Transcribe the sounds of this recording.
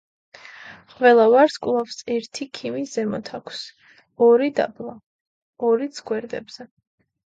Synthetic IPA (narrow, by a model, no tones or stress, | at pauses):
qʼvɛlˠavaɾskʼlˠafsɛɾt̪ʰikʰimisz̥ɛmɔt̪ʰakʷʰs | ɔɾid̪a̰blˠa | ɔɾid̪sʰɡwɛɾd̪ɛ̰bz̥ɛ